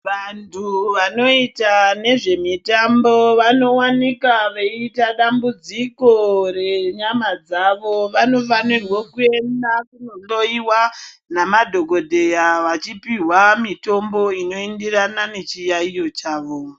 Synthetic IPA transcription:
ʋantʰuʋano̞itane̞ʐe̞mitamboʋano̞wanikaʋeitaɗambud͡ziko̞re̞ɲamad͡zaʋoʋano̞fanirwokue̞ndakunolo̞iwa | namadʱo̞ɡʱo̞dʱejaʋat͡ʃipiɦwamito̞mbo̞ino̞endiranane̞t͡ʃijaijo̞t͡ʃaːʋo

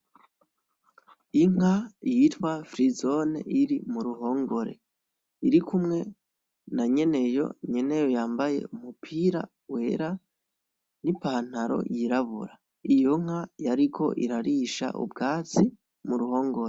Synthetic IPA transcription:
iŋ̥ajitwafɾizo̞nḛʔiɾimuɾuɦo̞ːŋɡo̞ɾe̞̰ | iɾikʰumŋe̞ | naɲe̞ne̞jo̞̰ɲe̞ne̞jo̞jaːmbaje̞̰umupʰiːɾa̰ | we̞ɾa | nipaːn̥haɾo̞̰jiɾaβṵɾa | ijoŋ̥ajaɾikʰo̞̰ʔḭɾaɾiːʃa̰ʔṵbɡaːt͡si | muɾuho̞ːŋɡo̞ɾe

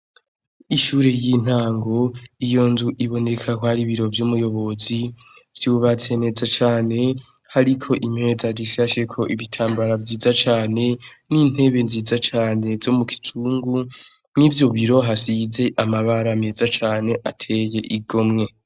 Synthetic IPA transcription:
iʃuːɾe̞jin̥haːŋɡo̞ijo̞nzuʔiβo̞ne̞kʰakohaɾiβiɾo̞vjumujo̞βo̞zi | v̥juːβat͡se̞ne̞ːd͡zat͡ʃaːne̞ | haɾikʰo̞ʔimhe̞ːzadiʃaʃe̞kʰo̞ʔiβitʰaːmbaɾavjiːzat͡ʃaːne̞ | niːn̥e̞βe̞nziːzat͡ʃaːne̞z̥o̞mukʰi̥tʰuːŋɡu | nivjo̞βiɾo̞ɦasize̞ʔamaβaɾame̞ːzat͡ʃaːne̞ʔatʰe̞je̞ʔiɡo̞mŋe̞

